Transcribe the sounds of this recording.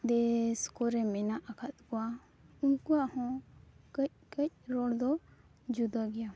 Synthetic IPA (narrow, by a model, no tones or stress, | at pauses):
d̪ɛskɔɾɛmɛnaʔakʰat̪kɔa | ũkuahɔ̃kəc̚kəc̚ɾɔɽd̪ɔ | d͡ʒud̪aɡɛja